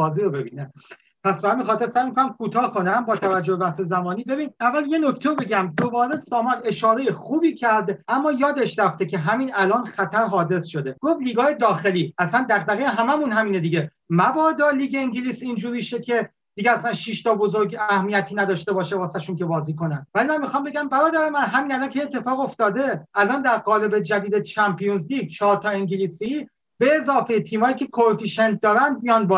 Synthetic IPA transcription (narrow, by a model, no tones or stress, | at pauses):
bɒːziɾobe̞biːne | pʰæsbehæminxɒːt̪eɾsæjmikʰonæmkʰuːt̪ʰɒːkʰo̞næmbɒːt̪ʰævæd͡ʒːobevæsezæmɒːniːbe̞biːnævːælje̞no̞cʰt̪ʰeɾobe̞ɟæmd̪o̞bɒːɾesɒːmɒɾe̞ʃɒːɾejeχuːbiːcʰæɾd̪æmːɒːjɒːd̪eʃɾæft̪ecʰe̞ɦæmiːnælɒːnxæt̪ʰæɾɦɒːd̪e̞sʃo̞d̪e̞ɡ̥ofliːɡɒːjed̪ɒːxe̞liːæsænd̪æɾbæɣijeɦæmæmuːnɦæmiːned̪iɟe | mæbɒːd̪ɒːliːɡeiŋɟiliːsind͡ʒuːɾiːʃecʰe̞ | d̪̥iɡeæslænʃiʃt̪ʰɒːbo̞zoɾɡæhmijæt̪ʰiːnæd̪ɒːʃt̪e̞bɒːʃebɒːsæʃunkʰe̞bɒːziːko̞nænvælimænmixɒːmbe̞ɡæmbæɾɒːd̪æɾemænɦæmiːnælɒːnkʰeet̪ʰːe̞fɒːɣo̞ft̪ɒːd̪e̞ʔælɒːnd̪æɾɢɒːle̞be̞d͡ʒæd̪iːd̪et͡ʃʰæmpʰijunzliːɡ̚t͡ʃʰɒːɾt̪ʰɒːeŋɟiliːsi | b̥e̞ːzɒːfejet̪ʰiːmɒːjiːcʰe̞kʰofiʃent̪̚ʰd̪ɒːɾænd̪̚mijɒːnbɒ